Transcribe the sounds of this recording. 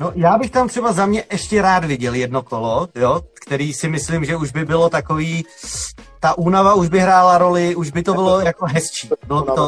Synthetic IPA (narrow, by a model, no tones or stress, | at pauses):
nojaːbɪxt̪amt̪r̥ɛbazamɲɛʔɛʃcɛɾaːd̪vɪɟɛljɛdno̞kolo̞jokt̪ɛɾiːsɪmɪslɪmʒɛuʒbɪbɪlot̪akoviː | t̪aʔuːnavauʒbɪɦɾaːlaɾo̞lɪʔuʒbɪt̪obɪlojakoɦɛst͡ʃiːbɪlobɪt̪o